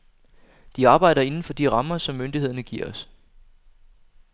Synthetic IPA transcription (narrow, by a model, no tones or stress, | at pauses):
d̥iɑ̈ːb̥ɑ̈ɪ̰ɾɐe̝nn̩fɒ̽d̥iʁɑ̈mɐsɒ̽mːønd̥ihe̝ð̞̰ˠɐnəɡ̥iɐ̰ɒ̽s